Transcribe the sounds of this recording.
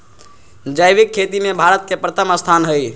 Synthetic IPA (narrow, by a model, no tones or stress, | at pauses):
d͡ʒajbikʰːet̪imebʱaɾət̪̚kepɾət̪ʰəməst̪ʰanɦəj